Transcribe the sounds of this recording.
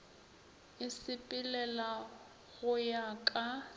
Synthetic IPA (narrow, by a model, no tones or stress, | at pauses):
ɪsɪpʼɪlɛla | ɣʊjakʼa